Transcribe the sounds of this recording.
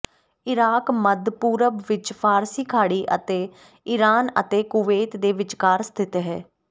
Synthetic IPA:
ɪɾaːkməd̪ʱpuːɾəbʋɪt͡ʃpʰaːɾsiːkʰaːɽiːʔə̰t̪eː | ɪɾaːnə̰t̪eːkuʋeːt̪d̪eːʋɪt͡ʃkaːɾst̪ʰɪt̪ɦɛː

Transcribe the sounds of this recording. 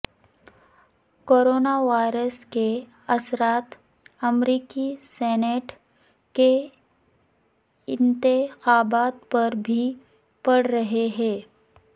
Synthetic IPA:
koːɾoːnaʋaːɪɾəske | ɐsɾaːt̪ | ɐmɾiːkisɛːneʈ | ke | ɪnt̪ɪxaːbaːt̪̚pɐɾbʱi | pɐɽ̤ɾɐɦeɦɛ̃ː

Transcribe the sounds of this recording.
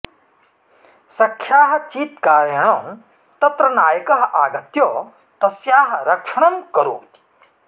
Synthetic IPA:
sɐkʰjaːɦɐt͡ʃiːt̪kaːɾjɐɳɐ̃m | t̪ɐt̪ɾɐnaːjɐkɐɦɐʔaːɡɐt̪joː | t̪ɐsjaːɦɐ̆ɾɐkʂɐɳɐmkɐɾo̰ːt̪i̥

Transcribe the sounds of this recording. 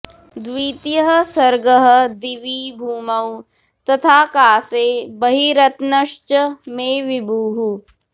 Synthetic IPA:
d̪ʋiːt̪jəɦəsɐɾɡəɦə̆d̪iʋiːbʱuːmɐw | t̪ɐt̪ʰaːkaːseːbɐɦiɾɐt̪nɐʃt͡ʃəmẽːʋɪbʱuːɦu

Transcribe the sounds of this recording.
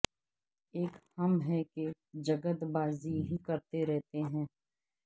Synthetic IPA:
eːkhɐmɦɛke | d͡ʒɐɡət̪baːziɦikɐɾt̪eɾɛɦt̪eɦɛ̃ː

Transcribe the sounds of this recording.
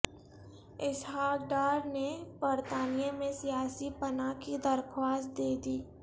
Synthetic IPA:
ɪsɦaːkɖaːɾnebəɾt̪aːnijamẽsijaːsipɐnakid̪ɐɾkʰwaːst̪d̪eːd̪iː

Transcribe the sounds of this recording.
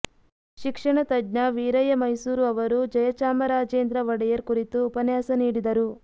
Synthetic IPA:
ʃikʂɐɳɐt̪ɐdnɐʋiːɾɐjɐmɐjsuːɾuɐʋɐɾud͡ʒɐjɐt͡ʃaːmɐɾaːd͡ʒeːnd̪ɾɐʋɐɽɐjɐɾkuɾit̪uːpɐnjaːsɐniːɽid̪ɐɾu

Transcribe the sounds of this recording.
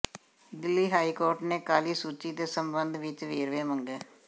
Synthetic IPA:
d̪ɪlːiːɦaːiːkoːɾʈneːkaːliːsuːt͡ʃiːd̪eːsəmbənd̪ʋɪt͡ʃʋeːɾʋeːməŋɡeː

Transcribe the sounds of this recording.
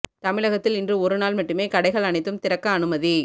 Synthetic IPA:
t̪ɐmɪɭɐɣɐt̪ːɪlɪndrɯɔɾɯnaːlmɐʈːɯmeːkɐɽɐɪɣɐɭɐnɐɪt̪ːɯmt̪ɪɾɐkːɐːnɯmɐði

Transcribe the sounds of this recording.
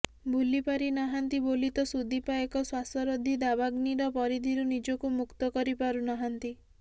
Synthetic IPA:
bʱulipaɾinɔɦant̪ibolit̪ɔsud̪ʱipaekɔswasɔɾod̪ʱid̪abaɡniɾɔpɔɾid̪ʱiɾunid͡ʒɔkumukt̪ɔkɔɾipaɾunɔɦant̪i

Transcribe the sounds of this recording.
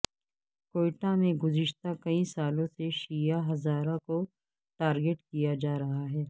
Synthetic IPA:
koːɪʈamẽɡʊzɪʃt̪akɐisaːlõseʃiːjaɦɐzaːɾãko | ʈaːɾɡeʈkijad͡ʒaːɾɐɦaɦɛː

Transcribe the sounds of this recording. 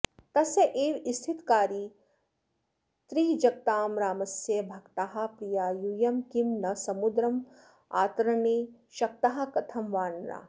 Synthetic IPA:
t̪ɐsjɐʔeːʋist̪ʰit̪kaːɾiː | t̪ɾiːd͡ʒɐk̚t̪aːmɾaːmɐsjɐbʱɐkt̪aɦɐ̆pɾijaːjujɐmkimnɐsɐmud̪ɾɐm | a̰ːt̪ɐɾɐɳeː | ʃɐk̚t̪ɐɦɐ̆kɐt̪ʰɐmʋaːnɾa̰ː

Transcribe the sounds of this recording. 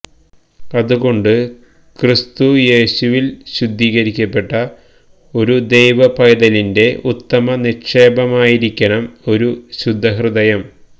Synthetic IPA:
ɐðuɣo̞ɳɖɨ | krist̪uje̞ːɕuʋilɕud̪ʱːiːɣɐɾikʲːɐpːe̞ʈːɐ | o̞ɾud̪e̞jʋɐpɐjɐðɐlinde̞ut̪ːɐmɐniʂeːbɐmaːjiɾikʲːɐɳɐmo̞ɾuɕud̪ʱːɐɦrɨðɐjɐm

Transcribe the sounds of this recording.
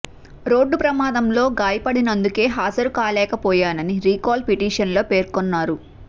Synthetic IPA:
ɾo̞ːɖːupɾɐmaːd̪ɐmlo̞ːɡaːjɐpɐɽinɐnd̪uke̞ːɦaːd͡ʒɐɾukaːlɛːkɐpɔːjaːnɐniɾiːkaːlpiʈiːʂɐnlo̞ːpe̞ːɾkɔnːaːɾu

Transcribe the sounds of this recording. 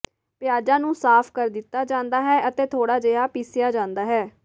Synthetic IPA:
pɪjaːd͡ʒãːnũːsaːpʰkəɾd̪ɪt̪ːaːd͡ʒãːnd̪aːɦɛːʔət̪eːt̪ʰoːɽaːd͡ʒeːaːpiːsɪjaːd͡ʒãːnd̪aːɦɛː

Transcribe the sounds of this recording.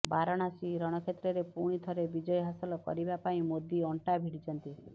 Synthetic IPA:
baɾɔɽ̃asiɾɔɽ̃ɔkʰet̪ɾɔɾepuɽ̃it̪ʰɔɾebid͡ʒɔjɔɦasɔlɔkɔ̰ɾibapaĩmod̪iɔɳʈabʱiɽit͡ʃɔnt̪i

